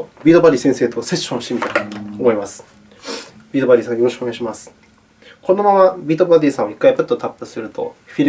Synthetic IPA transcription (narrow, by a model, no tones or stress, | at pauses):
bʲiːt̪o̞baɾʲiːsẽse̞ːt̪o̞se̞ɕɕõɕt̪imʲioomo̞imasɨ̥ | bʲiːt̪o̞baɾʲiːsãjoɾoɕɯ̥koeɡaiɕimasɨ̥ | ko̞no̞mamabʲiːt̪o̞baɾʲiːsãɰ̃aikːaipɯ̟t̪ːot̪apːɯ̟sɨɾɯ̟t̪o̞̰ɸʲiɾ